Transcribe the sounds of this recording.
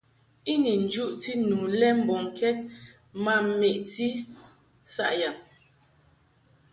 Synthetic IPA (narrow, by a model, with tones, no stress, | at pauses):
i˦ni˨n̩˨d͡ʒu˦ʔti˦nuː˨lɛ˦m̩˨bɔ˨ŋ˨kʰɛ˦t̚ | ma˨m˨me˨ʔti˦ | sa̰˦˨ʔja˨m